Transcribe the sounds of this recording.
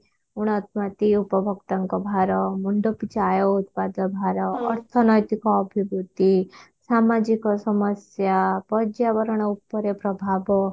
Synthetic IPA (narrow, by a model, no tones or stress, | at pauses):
uɽ̃ɔt̪mat̪iupɔbʱɔkt̪aŋkɔbʱaɾɔmuɳɖɔpit͡ʃajɔut̪̚pad̪ɔbʱaɾɔːɾt̪ʰɔnɔjt̪ikɔːbʱibut̪i | samad͡ʒikɔsɔməsjapɔd͡ʒjaʋɔɾɔɽ̃ɔupːɔɾepɾɔbʱabɔ